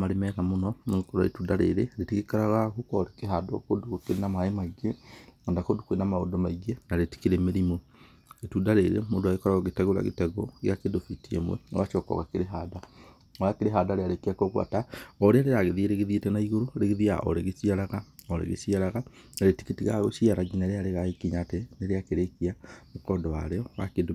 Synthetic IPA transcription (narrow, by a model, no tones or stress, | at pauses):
maɾemɛɣamonɔneɣokoɾa̰ɾḛtudaɾḛɾeɾetiɣekaɾaɣaɣukɔɾekeɦadokodukokeɾenamaemaiɣeandakodukwenamao̰domaiɣenaɾeti̥keɾemeɾimo | etudaɾeɾḛmoːndoaɣekɔɾaɣaɣetɛɣoɾa̰ɣḛtɛɣɔɣjakedofitiḛmwɛ̰ɣat͡ʃɔkɔ̰ɣakeɾeɦada | ajakeɾeɦadaɾeaɾekiakoɣwa̰taɔɾeaɾeɾaɣeðieɾeɣeðietɛnaiɣoɾoɾeɣeðia̰ʔɔ̰ɾeɣesiaɾaɣaoɾḛɣḛsiaɾaɣa | naɾeti̥kitiɣaɣosiaɾaɡinaɾeaɾeɣaekiɲateneɾeakeɾekiamokɔːndɔwaɾeɔwakendo